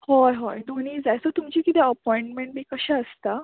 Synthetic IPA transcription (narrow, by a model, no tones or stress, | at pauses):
hɔjɦɔjd̪oniːsd͡zajsɔt̪umt͡ɕikit̪ɛəpɔiɳʈmeɳʈ̚biːkəɕɛəst̪a